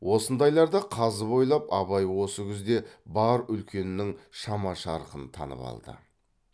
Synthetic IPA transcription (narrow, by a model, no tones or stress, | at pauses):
wʔo̞sənd̪ɑjlˠɑɾd̪ɑqʰɑzəbo̞jlˠɑpɑβɑjwo̞səkʲʰɪzd̪e̞bɑɾʏlkʲʰe̞nɪnɪŋʃɑmɑʃɑɾəqənt̪ʰɑ̰nə̰pɑ̰lˠd̪ə̰